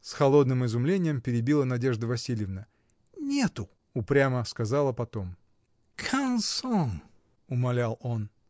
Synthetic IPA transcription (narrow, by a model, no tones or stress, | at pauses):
sxɐlˠo̞d̪nɨmɪzʊmlʲenʲɪjəmpʲɪɾʲɪbʲilˠənɐdʲe̞ʐd̪əvɐsʲilʲjɪvnə | nʲe̞t̪ʊ | ʊpɾʲaməskɐzɑlˠəpɐt̪o̞m | kʰamsɔn | ʊmɐlʲalˠo̞n